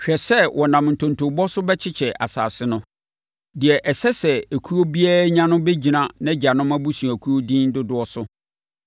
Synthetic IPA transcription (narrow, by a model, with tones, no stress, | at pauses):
ɕᶣɛ˨sɛ˦wʔɔ˨nã˨m˨n̩˨tʰõ˨n˨tʰõ˨bɔ˦sʊ˦bɛ˦t͡ɕʰɪ˦t͡ɕʰɛ˨ʔa̰˨sa̰ː˨sɪ˦nʊ̃˦ | dɪ˨ɛ˨ʔɛ˨sɛ˦sɛ˨æ˨kʰu˦o˦bi˦a˦ɲã˦nʊ̃˦be˦d͡ʑi˨nã˨nɛ̃˦d͡ʑa˨nʊ̃˦mæ˦bu˦sũ˨æ˨kʰu˦o˦dĩ˦n˦dʊ˦dʊ˨˦ɔ˦sʊ˦